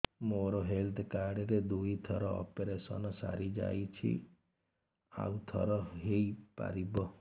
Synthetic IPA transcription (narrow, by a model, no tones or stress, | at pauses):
moɾoɦelt̪ʰkaɽɾed̪uit̪ʰɔɾɔɔ̰peɾesɔnɔsa̰ɾid͡ʒa̰jt͡ʃʰḭ | a̰wt̪ʰɔ̰ɾɔɦejpa̰ɾibɔ